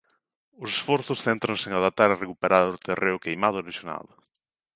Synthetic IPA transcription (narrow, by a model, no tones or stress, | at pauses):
ʊsesfɔɾθʊsθent̪ɾãŋseŋaðap̚t̪aɾerekupeɾaɾʊt̪ereʊkejmaðʊeleʃjona̰ðʊ